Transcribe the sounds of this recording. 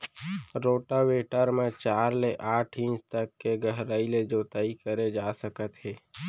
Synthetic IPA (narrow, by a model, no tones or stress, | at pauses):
ɾoːʈaweːʈəɾmẽt͡ʃaːɾleʔaːʈʰĩnt͡ʃt̪əkːeɡəɦɾaːiled͡ʒoːt̪aːikəɾed͡ʒaːsəkət̪ɦeː